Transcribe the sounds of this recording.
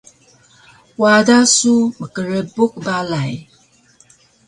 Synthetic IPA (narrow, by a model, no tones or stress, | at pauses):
wadasuməkəɾebuk̚balaj